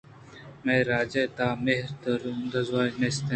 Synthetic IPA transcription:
meːɾaːd͡ʑeːt̪aːmeɦɾt̪ɐɾnd̪ɐzwaːjmest̪ɐ

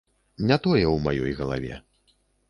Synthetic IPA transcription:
nʲat̪ɔjɛwmajɔjɣɐlˠa̰vʲɛ̰

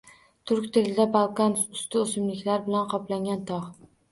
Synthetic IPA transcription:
t̪ʰʊɾkʲt̪ʰelɪd̪abɑlˠkansʊst̪ʰʊosɪmlɪkʲlaɾbɪlanqʰɒplaŋɡʲant̪ʰɒʁ

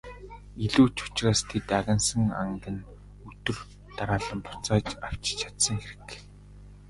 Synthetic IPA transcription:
iɮuːt͡ɕʊ̥t͡ɕraːst̪ʰet̪aɣʲɪ̆nsə̆ŋa̰ŋɡɘ̆n | ɵt̪ɵ̆r | t̪aɾaːɮə̆mpʊ̥t͡saːt͡ɕaw̥t͡ɕt͡ɕʰḁt̪sə̆ŋxeɾɘ̆k

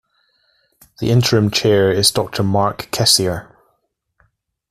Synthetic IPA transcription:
ðḭʔɪ̃ntʰəɹə̃mt͡ʃʰɛːɹɪzdɔk̚tʰəmɑɹkʰːɛsiə

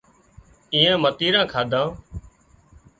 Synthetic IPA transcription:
ĩːẽːmət̪iːɾãːkʰaːd̪ʱãː

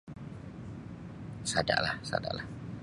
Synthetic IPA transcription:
sada̰ʔlahsa̰da̰ʔlah

